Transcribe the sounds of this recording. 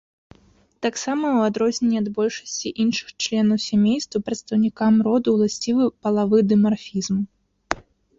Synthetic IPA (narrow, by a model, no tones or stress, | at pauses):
t̪aksamɐwad̪ɾɔzʲnʲɛnʲːiɐd̪bɔlʲʂɐ̥sʲt͡sʲiʔinʂɨ̥xt͡ʃlʲɛnɐwsʲamʲejst̪vɐpɾɐt̪st̪ɐwnʲikamɾɔd̪uwlˠasʲt͡sʲivɨpɐlˠavɨd̪ɨmarfʲizmu